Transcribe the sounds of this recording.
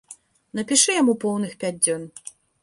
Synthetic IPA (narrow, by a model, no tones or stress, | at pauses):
nɐpʲiʂɨjamupɔwnɨxpʲad͡zʲd͡zʲɔn